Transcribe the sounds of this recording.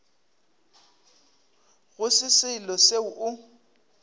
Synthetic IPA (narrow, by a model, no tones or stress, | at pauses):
ɣʊsɪsɪlɔseʊʔʊ